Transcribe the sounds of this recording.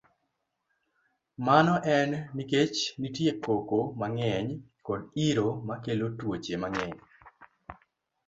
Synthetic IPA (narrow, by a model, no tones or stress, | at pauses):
manɔʔɛnːiket͡ʃnitjekokomaŋɛɲkɔdiɾomakelotwot͡ʃemaŋɛɲ